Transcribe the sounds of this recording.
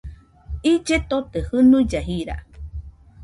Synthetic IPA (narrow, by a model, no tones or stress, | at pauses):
id͡ʒet̪ot̪ehɨnũid͡ʒaɦiɾa̰